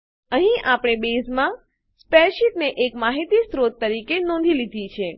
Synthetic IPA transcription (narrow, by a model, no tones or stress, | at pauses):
əɦĩʔapɽ̃ebezmã | spɛʃit̪neʔekmaɦit̪isɾot̪ːəɾikenɔ̃nd̪ʱilid̪ʱit͡ʃʰe